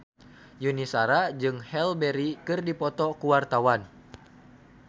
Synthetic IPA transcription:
junisaɾad͡ʒɨŋhɛlbɛɾikɨrdipɔt̪ɔkuwart̪awan

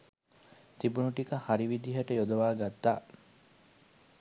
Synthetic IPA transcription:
t̪ibunuʈikɐhɐɾiʋid̪iɦɐʈɐjod̪ɐʋaːɡɐt̪ːaː

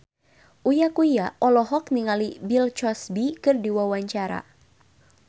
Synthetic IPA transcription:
ʔujakujaʔɔlɔɦɔk̚niŋalibilt͡ʃɔsbikɨrdiwawaɲt͡ʃaɾa̰

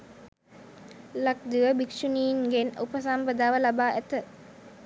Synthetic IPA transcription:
lak̚d̪iʋəbikʃuniːnɡenṵpəsampəd̪aːʋəlabaːʔæt̪ə

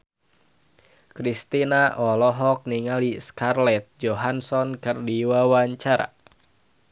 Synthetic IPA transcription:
kɾist̪inaʔɔlɔɦɔk̚niŋaliskarlɛt̪̚d͡ʒoɦansɔnkɨrdiwawaɲt͡ʃaɾa̰

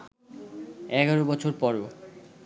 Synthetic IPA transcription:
ɛɡaɾobɔt͡ɕʰoɾpɔɾo

